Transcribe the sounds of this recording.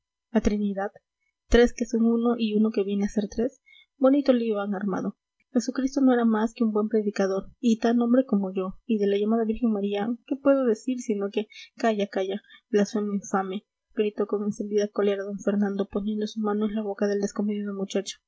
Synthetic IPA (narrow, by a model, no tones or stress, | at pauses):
at̪ɾiniðað | t̪ɾe̞ske̞so̞ŋuno̞ʔiuno̞ke̞βje̞nease̞ɾt̪ɾe̞s | bo̞nit̪o̞liiβaŋaɾma̰ðo̞ | xe̞sukɾist̪o̞noe̞ɾamaske̞umbwe̞mpɾe̞ðikaðo̞ɾit̪anõ̞mbɾe̞ko̞mo̞ʝo̞iðe̞laʝamaðaβiɾxe̞ŋmaɾiake̞pwe̞ðo̞ðe̞siɾsino̞ke̞kaʝakaʝablasweniɱfame̞ | ɡ̥ɾit̪o̞ko̞ŋe̞nse̞nd̪iðako̞le̞ɾaðo̞ɱfe̞ɾnãnd̪o̞po̞nje̞nd̪osumãnoenlaβo̞kaðe̞ld̪esko̞meðiðomut͡ʃat͡ʃḁ